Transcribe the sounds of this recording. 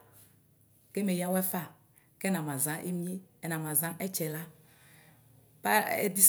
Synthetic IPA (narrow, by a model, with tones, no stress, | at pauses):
ke˦me˨ja˦wɛ˦fa˦˨ | kɛ˦nã˨mã˨zã˦ʔḛ˦mi˦e˦ɛ˨nã˨mã˨zã˦ɛ˦t͡ʃɛ˨la˦ | pa˦ɛ̰˦d̪i˦s